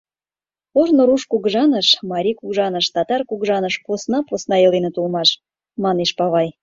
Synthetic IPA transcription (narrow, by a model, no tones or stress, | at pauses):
ornoɾuʃkuɣʒɑnəʃmɑɾʲikuɡʒɑnəʃt̪ɑt̪ɑrkuɣʒɑnəʃposnɑposnɑelenə̆t̪ulmɑʃ | mɑneʃpɑβɑj